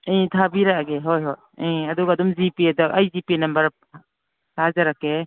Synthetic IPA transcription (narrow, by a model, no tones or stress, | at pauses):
ĩt̪ʰabiɾaaɡeɦojɦɔj | iɐd̪uɡaːdumzipiedaʔajzipinɐmbɐɾ | sazaɾake